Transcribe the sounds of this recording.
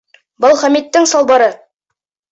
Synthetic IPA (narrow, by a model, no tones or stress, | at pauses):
bɤlˠχæmit̪ːɘŋsɑlˠbɑɾɤ